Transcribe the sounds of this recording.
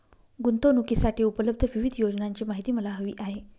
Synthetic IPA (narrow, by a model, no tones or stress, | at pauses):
ɡunt̪onukisaʈiːupələb̚d̪ʱəʋiʋid̪ʱjod͡ʑnaɲt͡ɕiːmaɦit̪iːməlaɦəʋḭːʔaɦe